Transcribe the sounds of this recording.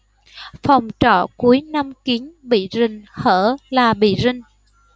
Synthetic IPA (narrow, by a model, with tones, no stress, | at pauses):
fa˨˩wŋ͡mt͡ɕɔ̰˧˨ku˨˦əjna˧mki˨˦ənɓḭ˧˨zï˨˩ŋ̟həː˧˩laː˨˩ɓḭ˧˨zï˨˩ŋ̟